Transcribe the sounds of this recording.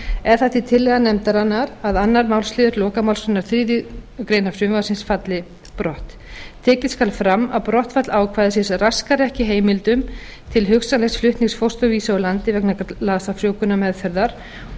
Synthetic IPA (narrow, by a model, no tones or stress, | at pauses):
ɛɾ̥θaθit̪ʰɪlːɛɣðanɛmt̪aɾanːaɾaðanːaɾmaːwlst̪lɪːðʏɾlɔːkamawlsʏnaɾ̥θɾiːðɪkɾeːjnafɾjʏmvasɪnsfat̪lɪ | pɾɔht̪ | t̪ʰːɛːcɪðskalfɾamːaðpɾɔht̪fat̪laːwkʰvaːjðɪsɪnsraskaɾɛhcɪɦeːjmɪlt̪ʏm | t̪ʰɪlɦʏksanejsflʏht̪niŋksfowst̪ʏɣviːsaɔlant̪ɪvɛknalaːsafɾjoːwkʏnamɛðfɛɾðaɾ̥